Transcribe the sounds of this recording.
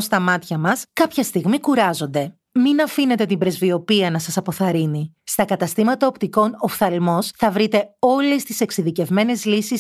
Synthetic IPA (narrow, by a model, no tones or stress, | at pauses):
st̪ɐmɐt̪çɐmɐskɐpçɐst̪iɣmikuɾɐzo̞nd̪e̞ | minɐfine̞t̪e̞t̪imbɾe̞zvio̞piɐnɐsɐsɐpo̞θɐɾinist̪ɐkɐt̪ɐst̪imɐt̪ɐo̞pt̪iko̞no̞fθɐlmo̞sθɐvɾit̪e̞o̞lest̪ise̞ksiðice̞vme̞ne̞zlisis